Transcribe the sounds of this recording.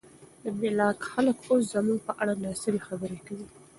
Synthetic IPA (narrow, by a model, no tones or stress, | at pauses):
d̪əmɪlɑkxaləkos̬zamuɡ̚pəʔaɽanɑsɪlxabəɾekawi